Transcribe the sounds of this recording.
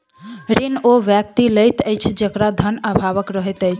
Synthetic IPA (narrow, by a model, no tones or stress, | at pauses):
ɾinoʋjəkt̪iləjt̪əjt͡ʃʰd͡ʒəkɾad̪ʱənəbʱaβəkɾəɦət̪əjt͡ʃʰ